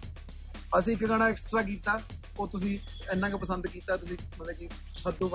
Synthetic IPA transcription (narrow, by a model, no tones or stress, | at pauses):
əsĩːkːkəɽ̃aːɪksʈɾaːk̬iːt̪aː | oːt̪ʊs̬ĩː | ɛːnãːkepəsənd̪kiːt̪aːt̪ʊsĩːmət̪lɛːki | səd̪ũː